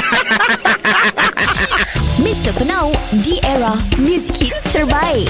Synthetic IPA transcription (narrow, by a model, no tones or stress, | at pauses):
mistəpənawdiʔɛɹamizkʰitːəɹbaj